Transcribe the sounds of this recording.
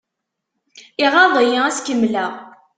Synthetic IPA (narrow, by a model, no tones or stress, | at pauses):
ɪʁɑðˤijəæskəmːlæʁ